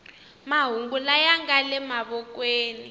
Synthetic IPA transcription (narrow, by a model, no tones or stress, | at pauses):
maɦuŋɡulajaŋɡalɛmaβɔkʼweːni